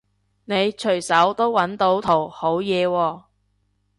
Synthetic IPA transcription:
ne˨˧jt͡ʃʰɵ˨˩ɥsɐ˨˥wt̪o˥wwɐ˨˥nt̪o˨˥wt̪ʰo˨˩who˨˥wjɛː˨˧wɔː˧

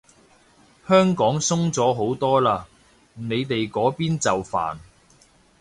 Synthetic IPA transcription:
hœː˥ŋkɔː˨˥ŋsʊ˥ŋt͡sɔː˨˥ɦo˨˥wt̪ɔː˥laː˧ | ne˨˧jt̪e˨jkɔː˨˥piː˥nt͡sɐ˨wfa̰ː˨˩n

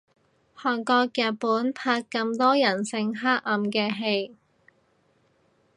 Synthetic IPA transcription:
hɔː˨˩nkɔː˧k̚jɐ˨t̚puː˨˥npʰaː˧t̚kɐ˧mt̪ɔː˥jɐ˨˩nsɪ˧ŋɦaː˥k̚ɐ˨˧mkɛː˧ɦe˧j

